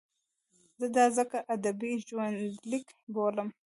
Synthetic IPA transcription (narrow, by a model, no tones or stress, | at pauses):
zəd̪ɑzəkaʔad̪abiʒwand̪lɪkboləm